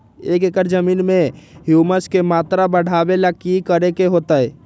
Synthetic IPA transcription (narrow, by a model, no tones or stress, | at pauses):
ekekəɾd͡ʒəminmeɦjuməskemat̪ɾabəɽ̤ʱabelakikəɾekeɦot̪əɛ